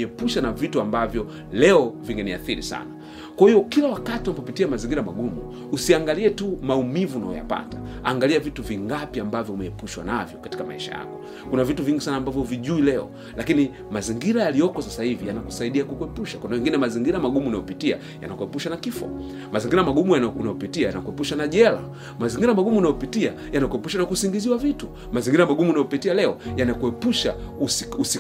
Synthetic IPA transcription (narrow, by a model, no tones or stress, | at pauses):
ɛpuʃanavituambavjɔ | lɛɔviŋɡɛnia̰θiɾḭsa̰na | kwahijɔkilawakatiunapɔpitiamaziŋɡiɾamaɡumṵː | siaŋɡaliɛtumaumivuna̰ɔ̰ja̰pa̰taa̰ŋɡaliavituviŋɡapiambavjɔumɛɛpuʃwa̰navjɔkati̥kama̰iʃa̰ja̰kɔ̥ | kunavituviŋɡisanaːmbavjɔuviʄuilɛɔ̰ | lakini | maziŋɡiɾajalijɔkɔsasahivijanaku̥saiɗiakukuɛpuʃakwandawɛŋɡinɛmaziŋɡiɾamaɡumunajɔpitia̰ | ja̰nakuɛpuʃanakifɔ̰ | maziŋɡiɾamaɡumujanaunaɔpitiajanakuɛpuʃanaʄɛla̰ | maziŋɡiɾamaɡumunajɔpitia | janakuɛpuʃanakusiŋɡiziwavitu | maziŋɡiɾamaɡumunajɔpitialɛɔjanakuɛpuʃa̰ususi